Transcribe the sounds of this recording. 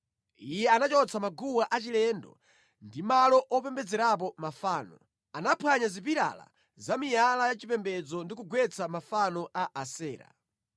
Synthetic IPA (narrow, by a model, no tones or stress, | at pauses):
ijɛanat͡ʃɔt͡sʰamaɡuwaʔat͡ʃilɛndɔ̰ | ndimalɔʔɔpɛmbɛd͡zɛɾap̬ɔmafaːnɔ̰ | anapʰwaɲazip̬iɾa̰la̰ | zamijalajat͡ʃipɛmbɛd͡zɔndikuɡwɛt͡sʰamafanɔʔaʔasɛːɾa̰